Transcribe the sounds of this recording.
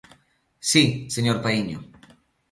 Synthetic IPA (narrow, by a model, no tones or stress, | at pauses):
siseɲoɾpaiɲo̰